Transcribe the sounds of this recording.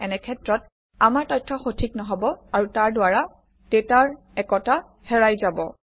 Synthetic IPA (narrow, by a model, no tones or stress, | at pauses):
ɛnɛkʰɛtɹɔt̚ | amaɹtɔjtʰːɔxotʰik̚nɔɦɔbɔaɹutaɹdʊwaɹa | tetaɹ | ɛkɔta | hɛɹajzabɔ